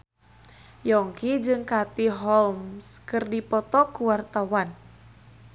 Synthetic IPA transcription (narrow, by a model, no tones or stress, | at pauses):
jɔŋkid͡ʒɨŋkat̪iɦɔlmskɨrdipɔt̪ɔkuwart̪awan